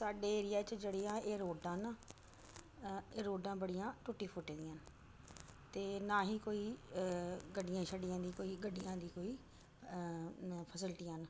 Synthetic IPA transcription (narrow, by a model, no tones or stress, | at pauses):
saːɖeːeːɾɪjaːt͡ʃd͡ʒeːɽiːãːeːɾoːɖãːnaː | eːɾoːɖãːbəɽɪjãːʈʊʈiːpʰʊʈeːd̪iːãːn | t̪eːnãːɦiːkoːiː | ɡəɖɪjãːʃəɖɪjãːd̪iːkoːiːɡəɖːijãːd̪iːkoːiː | pʰəsɪlʈiːən